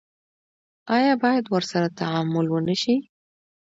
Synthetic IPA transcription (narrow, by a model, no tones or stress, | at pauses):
ɑjɑbɑjad̪wəɾsaɾat̪aʕamʊlwənəʃi